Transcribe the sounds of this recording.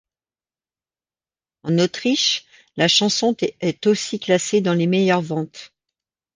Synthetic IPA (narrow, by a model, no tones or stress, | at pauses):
ɑ̃not̪χiʃ | laʃɑ̃sɔ̃t̪ɛɛt̪osiklased̪ɑ̃lemɛjœʁvɑ̃t̪